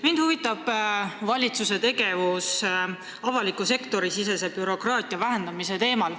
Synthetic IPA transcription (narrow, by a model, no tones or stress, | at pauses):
mind̪̥huvit̪ːˑɑb̥vɑlʲit̪suse̞t̪e̞ɡe̞vus | ɑvɑlikːˑuse̞kt̪o̞ɾisise̞se̞b̥yɾo̞krɑːt̪ʲˑiɑvæɦe̞nd̪ɑmise̞t̪e̞ːmɑl